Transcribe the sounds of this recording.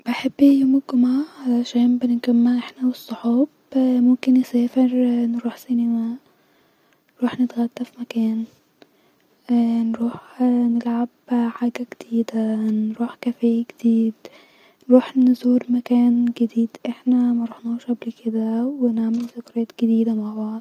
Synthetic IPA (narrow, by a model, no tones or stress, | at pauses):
b̥ɪħɪbːijoːmɪɡʊmaʕalaʃæːnbɪnɪɡæmːaʔɪħnawɪsˤːʊħuːb | mʊmkɪnjɪsæːfɪɾnɾuːħsinɪmæʔ | nɾuːħnɪt̪ɣæt̪ːafimakæːn | nɾuːħnɪlʕabħaːɡæɡɪd̪iːd̪anɾuːħkæfæːjaɡɪ̥d̪̥iːd̪ | nɾuːħnzuːɾmækæːnɡɪd̪iːd̪ʔɪħnæmaɾuːħnuːʃʕablikɪd̪æwɪnɪʕmɪlfʊkɾˤɑːt̪ɡ̥ɪd̪iːd̪amaʕbɑʕd̪̚